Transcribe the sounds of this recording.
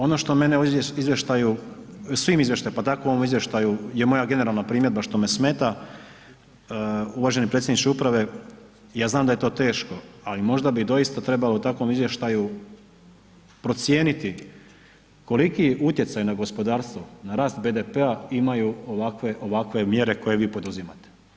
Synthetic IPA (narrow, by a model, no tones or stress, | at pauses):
o̞no̞ʃt̪o̞me̞neojeizʋjeʃt̪aju | sʋiːmizʋje̞ʃt̪ajupat̪akouoomizʋjeʃt̪ajuje̞mo̞jaɡe̞ne̞ɾalˠnapɾiːmjed̪baʃt̪o̞me̞sme̞ːt̪a | uʋaːʒe̞nipɾet̪sʲjed̪it͡ʃeupɾaʋe̞ | jaːznaːmd̪aje̞t̪o̞ːt̪e̞ːʃko̞alimo̞ʒd̪abid̪o̞jist̪at̪ɾe̞balout̪akʋo̞mizʋjeʃt̪aju | pɾo̞t̪sje̞ːnit̪i | ko̞likiʔut̪je̞t̪sajunaɡospo̞d̪aːɾst̪ʋonaɾaːst̪̚be̞ːd̪epeaimajuoʋakʋe̞ʔo̞ʋakʋe̞mje̞ɾe̞ko̞je̞ʋiːpo̞d̪uzimat̪e̥